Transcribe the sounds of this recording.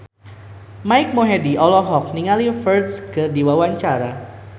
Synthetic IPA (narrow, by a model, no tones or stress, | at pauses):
maɪk̚moɦɛdiʔɔlɔɦɔk̚niŋalifərtsɡədiwawaɲt͡ʃaɾa